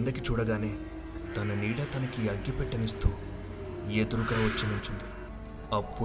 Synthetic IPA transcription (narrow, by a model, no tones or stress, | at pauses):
nd̪ɐkit͡ʃuːɽɐɡaːneː | t̪ɐnɐniːɽɐt̪ɐnɐkiɐɡjɐpɛʈːɐnist̪uː | ed̪uɾuɡɐːʋɐt͡ʃːinilut͡ʃund̪i | ɐpːu